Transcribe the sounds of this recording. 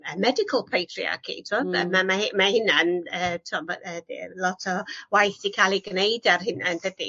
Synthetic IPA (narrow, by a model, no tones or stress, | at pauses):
əmɛdɪkʰəlˠpʰejtʰrḭa̰ɡʰḭtʰɔə̰mamaɪmahɪnanəːtʰɔmaədḭlˠɔtʰɔwajθikʰalˠiɡnejdarɦɪnandədḭ